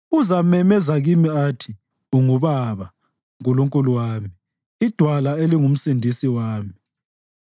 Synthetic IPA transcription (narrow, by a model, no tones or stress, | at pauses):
uzamɛmɛzaɣimiatʰi | uŋuβaβa | ŋk̬uluŋkʼuluwaːmiː | d̥ʱwalaeliŋum̩sindʱisiwaːmii